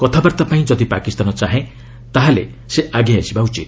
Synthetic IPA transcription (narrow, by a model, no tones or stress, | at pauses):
kɔt̪ʰabaɾt̪apaĩd͡ʒɔd̪ipakist̪anɔt͡ʃaɦẽ | t̪aɦalḛ | seʔaɡiasibaut͡ʃit̪